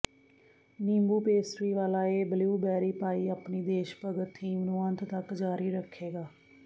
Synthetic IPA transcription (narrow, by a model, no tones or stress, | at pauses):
nĩːmbuːpeːsɾiːʋaːlaːeːbəliuːbɛːɾiːpaːiːapniːd̪eːʃpəɡət̪ʰːiːmnũːənt̪t̪əkd͡ʒaːɾiːɾəkʰːeːɡaː